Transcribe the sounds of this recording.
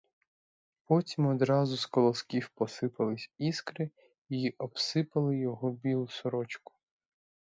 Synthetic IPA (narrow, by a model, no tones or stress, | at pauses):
pɔtʲimɔd̪ɾɑzʊskɔlˠɔskʲiwpɔsɪpɐlˠɪsʲiskɾɪ | iʔɔbsɪpɐlˠɪjɔɦɔbʲilˠʊsɔɾɔt͡ʃkʊ̥